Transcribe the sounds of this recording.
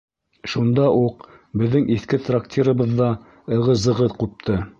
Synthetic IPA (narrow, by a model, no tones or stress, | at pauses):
ʃund̪ɑʔuq | bɘ̆ðːɘŋʔiθkɘt̪rak̚tʲʰiɾəβɤ̆ðːɑ | ɤ̆ʁɤzɤ̆ʁɤðqup̚t̪ʰɤ